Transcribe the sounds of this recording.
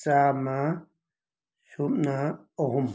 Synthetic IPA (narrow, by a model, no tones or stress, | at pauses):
samã | ʃuʔnã | oɦum